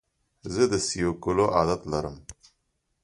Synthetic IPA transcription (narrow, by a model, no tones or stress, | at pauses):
zəd̪əsijokuloʔaːd̪at̪lɐɾəm